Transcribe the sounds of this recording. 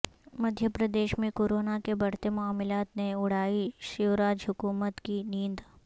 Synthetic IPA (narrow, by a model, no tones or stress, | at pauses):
mɐd̪ʱjəpɾəd̪eːʃmẽkoːɾoːnakebɐɽ̤t̪emʊaːmɪlaːt̪neʊɽ̤aːiʃɪʋɾaːd͡ʒɦʊkuːmət̪kinĩːnd̪